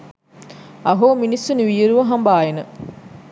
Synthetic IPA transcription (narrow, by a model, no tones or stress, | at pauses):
ɐɦoːminisːunʋiːɾuʋɐɦɐmbaːjenə